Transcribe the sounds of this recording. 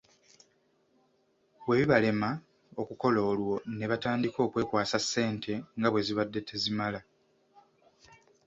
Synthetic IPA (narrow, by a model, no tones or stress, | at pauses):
βwe̞βiβale̞ma | o̞kuko̞lo̞ːlwo̞ne̞βataːndiko̞ːkwe̞ːkwaːsasːe̞ːntʰe̞ŋɡaβwe̞ziβadːe̞tʰe̞zimala